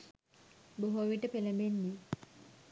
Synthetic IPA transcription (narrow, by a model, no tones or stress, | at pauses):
boɦoʋiʈəpelebenːi